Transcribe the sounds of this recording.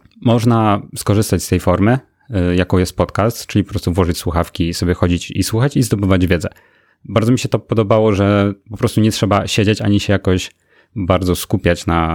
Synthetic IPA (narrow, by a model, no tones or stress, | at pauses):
mɔʐnaskɔʐɘst̪at͡ɕʲst̪ɛjfɔɾmɘ | jakɔ̃wjɛst̪̚pɔt̪kast̪t͡ʂɘlʲipɔpɾɔst̪uvwɔʐɨt͡ɕswuxafkʲisɔbʲjɛxɔd͡ʑit͡ɕḭswuxat͡ɕizd̪ɔbɘvad͡ʑvʲjɛd̪zɛ | baɾd̪zɔmʲiɕɛt̪ɔpɔd̪ɔbawɔʐɛpɔpɾɔst̪uɲɛtʂɛbaɕed͡ʑat͡ɕa̰ɲiɕɛjakɔɕ | baɾd̪zɔskupʲjat͡ɕna